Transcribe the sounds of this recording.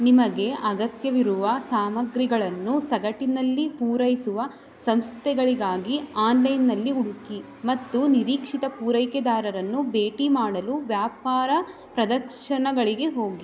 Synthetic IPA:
nimɐɡe̞ʔɐɡɐt̪jɐʋiɾuʋɐsaːmɐɡɾiɡɐɭɐnːusɐɡɐʈinɐlːipuːɾɐjsuʋɐ | sɐmst̪ʰɛɡɐɭiɡaːɡiaːnlɐjnːɐlːiuɽuki | mɐt̪ːuniɾiːkʂit̪ɐpuːɾɐjkɛd̪aːɾɐɾɐnːubeːʈimaːɽɐluʋjaːpaːɾɐ | pɾɐd̪ɐɾʂɐɳɐɡɐɭiɡe̞ɦo̞ːɡi

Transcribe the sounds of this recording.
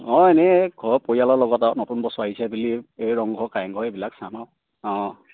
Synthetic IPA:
ɔ̃enɛɡʱɔɹpojalɔlɔɡɔtatnɔtunbɔsaɦisʰɛbuliejɹɔŋɡʱɔkajŋɡʱɔebilaksanaw | ɔ̃

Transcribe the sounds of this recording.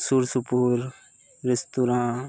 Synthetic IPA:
suːɾsupuːɾ | ɾɪst̪uɾãː

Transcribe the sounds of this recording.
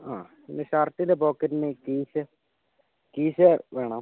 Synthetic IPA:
aː | inːeɕaːrtːindepoːkːɐɾinekiːɕɨ | kiːɕɨʋe̞ːɳɐm

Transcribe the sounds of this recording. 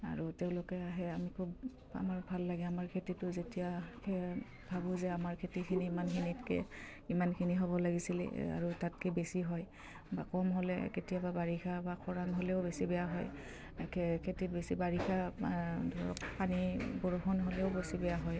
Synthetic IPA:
a̰ɹuteʊ̃lʊkɛaɦɛamikʰub | a̰maɹbʱalːaɡɛamaɹkʰetitʊzetijakʰe | bʱabʊ̃zɛamaɹkʰetikʰiniːmankʰinitkɛ̰ | imankʰiniɦɔβɔlaɡisilɛ̰a̰ɹutat̚kɛbesiɦɔj | bakɔmɦolɛ̰ketijababaɹixʰabakʰɔɹaŋɦolɛʊbesibɛjaɦɔj | kʰkʰetit̚besibaɹixadʱɔɹɔ̰kpanibɔɹoxɔnɦolɛʊbesibɛjaɦɔj

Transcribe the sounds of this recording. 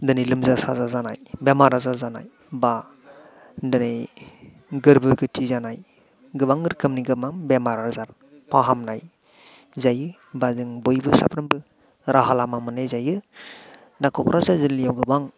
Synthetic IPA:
dɯnijlɯmzasa̰zazanajbemaɾazaɾzanaj | ba | dɯnɯj | ɡɯɾbɯɡɯtʰizanaj | ɡɯbaŋɡɯɾkʰɯmniɡɯmambemaɾazaɾ | pʰaɦamnaj | zajɯ | bazɯŋbɯjbɯsa̰pʰɾɯmbɯ | ɾʔaɦalamamɯnezajɯ | nakʰɔkʰɾʔasazɯlijawɡɯbaŋ

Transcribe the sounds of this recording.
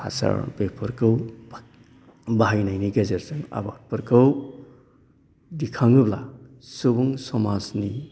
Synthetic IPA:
ha̰sa̰ɾbek̚pʰɯɾkʰɯw | baɦajnajniɡezeɾsɯŋa̰bat̚pʰɯɾkʰɯw | dikʰaŋɯbla̰ | subuŋsɔmasni

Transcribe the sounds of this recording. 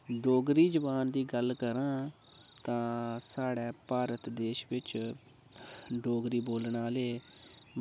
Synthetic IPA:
ɖoːɡɾiːd͡ʒəbaːnd̪iːɡəlkəɾãː | t̪ãːsaːɽɛːpaːɾət̪d̪eːʃʋɪt͡ʃ | ɖoːɡɾiːboːlɳaːleː

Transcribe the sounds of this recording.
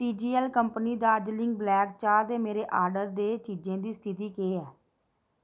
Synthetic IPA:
ʈiːd͡ʒiːəlkəmpniːd̪aːd͡ʒlɪ̃ŋɡ̚blɛːkt͡ʃaːɾd̪eːmeːɾeːʔaːɾɖəɾd̪eːt͡ʃiːd͡ʒẽːd̪iːst̪ʰɪt̪iːkeːɛː

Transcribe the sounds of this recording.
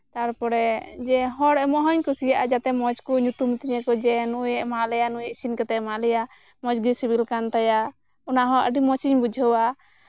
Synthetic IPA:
t̪aɾpɔɾɛd͡ʒɛɦɔɽɛmɔɦɔɲkusijaʔad͡ʒat̪ɛmɔd͡ʒkuɲut̪umt̪iɲɛkɔd͡ʒɛnujɛʔmaʔlɛjanujɛʔsinkɛt̪ɛʔmaʔlɛja | mɔd͡ʒɡisibilkant̪aja | unaɦɔ̃ʔə̰ɖimɔt͡ʃiɲbud͡ʒʱəwa

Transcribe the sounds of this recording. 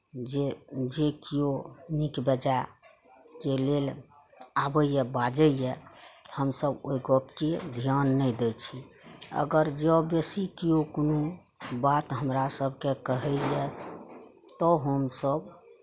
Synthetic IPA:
ed͡ʒekijonikbəd͡ʒa | kelel | abəjɛbad͡ʒəjɛhəmsəbojɡəpked̪ʱjanːəjd̪et͡ʃʰiə̰ɡəɾd͡ʒəbesikijokono | bat̪ɦəmɾasəbʱkekəɦɛjɛ | t̪ɔɦəmsəb

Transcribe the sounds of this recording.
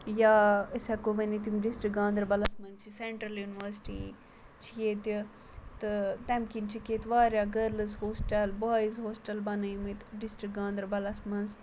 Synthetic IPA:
jaːəsɛkobɐnit̪̬imɖisʈɾik̚ɡãːnd̪ɾɐbɐlɐsmɐnt͡ʃʰiseɳʈɾɐljuːniʋəɾsi̥ʈḭ | t͡ʃʰijet̪i | t̪ɨt̪ɛmkint͡ʃʰikeːt̪ʋaːɾʲjaːɡɐɾlɨzhoːsʈɐlbaːizɦoːsʈɐlbɐnɐjmit̪ɖisʈɾik̚ɡãːnd̪ɾɐbɐlɐsmɐns

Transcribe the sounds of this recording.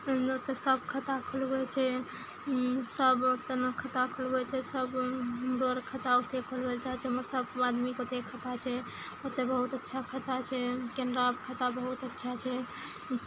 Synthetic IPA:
ot̪esəbkʰət̪akʰolɡet͡ʃʰɛ | səbot̪enəkʰət̪akʰolɡet͡ʃʰɛsəbmɾoɾkʰət̪aot̪ekʰolbelt͡ʃaɦɛt͡ʃʰɛməɾsəbad̪mikot̪ekʰət̪at͡ʃʰɛ | ot̪ebəɦut̪ətːʃʰakʰət̪at͡ʃʰɛkendɾabkʰət̪abəɦut̪ətːʃʰat͡ʃʰɛ

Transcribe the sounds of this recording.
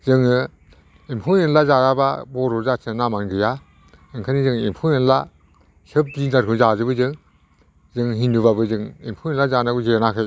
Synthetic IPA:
zɯŋɯ | impʰuɯnlazaɾaba̰bɔɾuɾzasʰɯnamaŋɡɯja | ɯŋkʰanizɯŋimpʰujɯnla | sɯp̚dinaɾkʰɯzazɯbɯzɯŋ | zɯŋɦinduβabɯzɯŋḭmpʰuinlazanaɡuziɾenakʰɯj

